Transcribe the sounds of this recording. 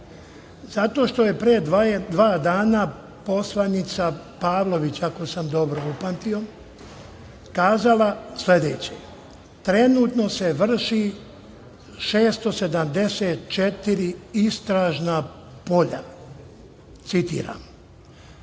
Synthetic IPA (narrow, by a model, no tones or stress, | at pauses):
zat̪o̞ʃt̪o̞je̞pɾeːd̪ʋaːd̪aːna | po̞slˠanit̪sa | paːʋlo̞ʋit͡ɕako̞samd̪o̞bɾo̞upant̪io̞ | kaːzalasle̞d̪ḛːt͡ɕḛ | t̪ɾe̞nuːt̪no̞se̞ʋr̩ʃi | ʃe̞ːst̪o̞se̞d̪amd̪e̞seːt̪̚t͡ʃet̪iɾiist̪ɾaːʒna | po̞ʎa̰ | t̪sit̪ḭːɾa̰m